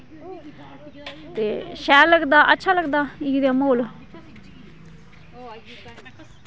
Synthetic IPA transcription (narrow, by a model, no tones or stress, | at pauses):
t̪eːʃɛːləɡd̪aːʔə̰tːʃʰaːləɡd̪aːid̪aːmoːlo